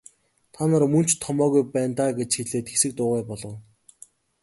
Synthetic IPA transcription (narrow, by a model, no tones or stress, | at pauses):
t̪ʰanăːrmɵn̥t͡ɕt̪ʰːɔmɔːɣujpæːnt̪aːɡet͡ɕxiɮeːt̪xesɘ̆k̚t̪ʊːʁaːpɔɮɞ̆w